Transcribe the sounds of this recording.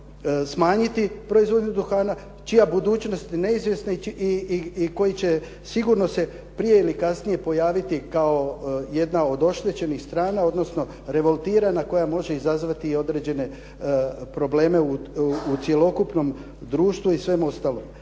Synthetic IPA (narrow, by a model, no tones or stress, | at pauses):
smaːɲit̪ipɾo̞izʋo̞d̪ɲud̪uxaːna | t͡ʃijabud̪uːt͡ʃno̞st̪ine̞izʋje̞sneiko̞jit͡ɕe̞ | siɡuɾnose̞ | pɾije̞ilikasnije̞po̞jaːʋit̪ikao̞je̞d̪nao̞d̪o̞ʃt̪e̞t͡ɕe̞nixst̪ɾaːnao̞d̪no̞sno̞ | ɾe̞ʋo̞lˠt̪iːɾanako̞jamo̞ʒe̞izazʋat̪io̞d̪ɾe̞d͡ʑe̞ne̞ | pɾo̞ble̞ːme̞uut̪sje̞lo̞kupno̞m | d̪ɾuːʃt̪ʋuisʋe̞mo̞st̪aːlom